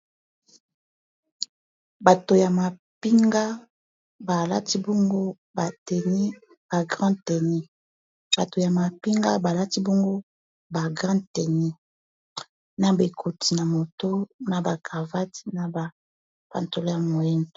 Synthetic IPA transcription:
ba˨to˨ja˨ma˨ | pi˦ŋɡa˦ | ba˨la̰˦ti˦bɔ˦ŋɡo˦ | ba˨tɛ˨ni˦ | b̥a˨ɡʁã˦tɛ˨ni˦ | b̥a˨to˨ja˨ma˨pi˦ŋɡa̰˦ba˨la˦ti˦bɔ˦ŋɡo˦ | ba˨ɡʁã˦tɛ˨ni˦ | na˨be˨kʰo˨ti˨na˨mo˨to˦na˨ba˨ka˨va˦ti̥˦na˨ba˨ | pa̰˨nto˨lo˦ja˨mo˨jɛ˦ndo˨

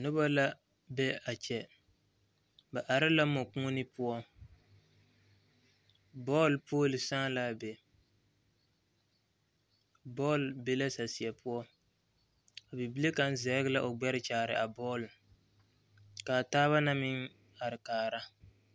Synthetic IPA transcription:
nʊ˦ba˦la˦ | bɛ˦a˨t͡ʃɛ˦ | ba˨ʔa˨ɾɪ˦la˦mɔ˨kũ˦nɪ˦pʊ˦ɔ˦ | bɔː˦lpoː˦lɪ˨sa˦la˦˨be˨ | bɔː˦lbe˦la˦sa˨si˨ɛ˨pʊ˦ɔ˦ | a˨bi˨bi˦le˦ka˨n˦zɛ˨˦ɡɪ˦la˦ʔo˨ɡ͡bɛ˦ɾɪ˦t͡ʃaː˨ɾɪ̰˨ʔa˨bɔː˦l | ka˨taː˦βa˦na˦mɪ˦ŋ | a˨ɾɪ˨kaː˨ɾa˦

